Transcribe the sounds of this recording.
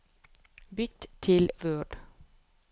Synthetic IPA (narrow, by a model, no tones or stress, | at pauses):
bʏt̪t̪ʰɪlʋøːɖ̥